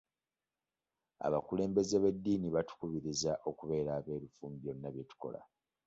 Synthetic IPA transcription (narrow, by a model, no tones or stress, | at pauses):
a̰βakule̞ːmbe̞zeβedːiːniβatu̥kuβiɾizaʔo̞kuβe̞ːɾaːβe̞ːɾufuːmbionːaβjetu̥ko̞̰la̰